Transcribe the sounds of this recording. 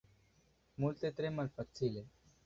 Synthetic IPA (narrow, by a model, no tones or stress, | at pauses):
muːlt̪et̪ɾeməlpət͡sʰile